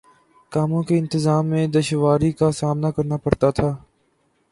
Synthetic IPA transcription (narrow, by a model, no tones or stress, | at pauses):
kaːmõkeɪ̃nt̪ɪzaːmːẽd̪ɐʃʋaːɾikasaːmnakɐɾnapɐɾt̪at̪ʰaː